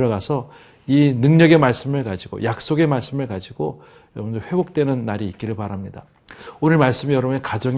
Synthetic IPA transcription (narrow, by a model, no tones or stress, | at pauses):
ɾʌɡasʰʌ | inɯŋɲʌɡe̞maɭs͈ɯmɯɭkad͡ʑiɡo̰jak̚s͈oɡe̞maɭs͈ɯmɯɭkad͡ʑiɡo | jʌmʌnd͡ʑʌɸwe̞bok̚t͈we̞nɯnːaɾiːk͈iɾɯɭpaɾamɲida | onɯɭmaɭs͈ɯmijʌɾʌbekad͡ʑʌŋ